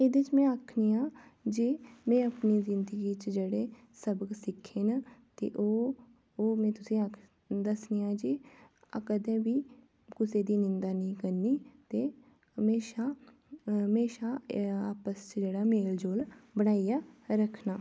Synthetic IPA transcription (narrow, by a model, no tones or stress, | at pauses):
eːd̪ɪt͡ʃmɛ̃ːaːkʰniːãːd͡ʒemɛ̃ːəpniːzɪnd̪əɡiːt͡ʃd͡ʒeːɽeː | səbɡsɪkʰːeːnət̪ḛːʔoː | oːmɛ̃ːt̪ʊsĩːa | d̪əsniːãːd͡ʒi | akəd̪ẽːbiː | kʊseːd̪iːnɪ̃nd̪aːnĩːkəɾniːt̪eː | ɦəmeːʃaː | meːʃaːaːpəst͡ʃd͡ʒeːɽaːmeːld͡ʒoːlbənaːijaːɾəkʰnaː